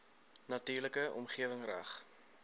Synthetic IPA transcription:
nɐtyːrləkəʔɔ̰mχiəvəŋræ̰χ

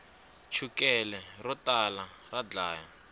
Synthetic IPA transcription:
t͡ʃʰukɛlɛrɔtala | rad͡ɮaːja

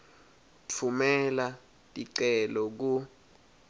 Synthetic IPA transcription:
t͡fʰumɛla | tʼiǀɛlɔk̬u

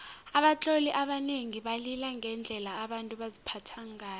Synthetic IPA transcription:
aɓat͡ɬʼoliʔaɓaneŋiɓalilaŋɛnd͡ɮʱɛlaːɓantʼuɓazipʰatʰaŋaː

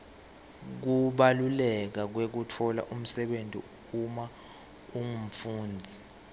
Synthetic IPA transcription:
k̬uɓalulɛk̬ak̬wek̬utʰɔla̰ʔum̩sɛɓentʼḭ | uma | uŋum̩fuːnd͡zʱi

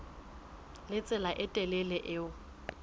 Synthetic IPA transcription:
lɪt͡sʼɪlaʔɪtʼɛlɛlɛʔɪʊ

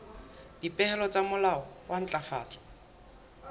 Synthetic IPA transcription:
dipʼɛhɛlɔt͡sʼamʊlaɔwan̩t͡ɬʼafa̰ːt͡sʼɔ̥

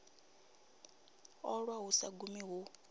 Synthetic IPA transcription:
ɔɺwaɦusaɡumiɦu

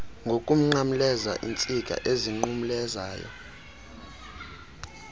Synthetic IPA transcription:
ŋɡʱokʼum̩ŋ͡ǃamulɛza̰ʔint͡sʼikʼa̰ʔeziŋ͡ǃumulɛza̰ːjɔ̰

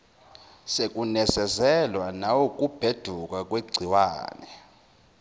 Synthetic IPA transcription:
sekʼunɛsɛzɛlwanawok̬ʼub̥ʱed̥ʱukʼak̬ʼweɡ͡ǀʱiwa̰ːnɛ

